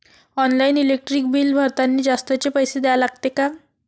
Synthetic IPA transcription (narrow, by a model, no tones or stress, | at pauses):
ɔnlainilek̚ʈɾiːk̚biːlbʱəɾt̪anːiːd͡zast̪at͡ɕepəjsed̪ɛjalaɡt̪eka